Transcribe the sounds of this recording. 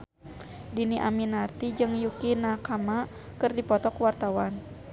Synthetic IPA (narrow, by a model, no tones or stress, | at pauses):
diniʔa̰minart̪id͡ʒɨŋjukinakama | kɨrdipɔt̪ɔkwart̪awan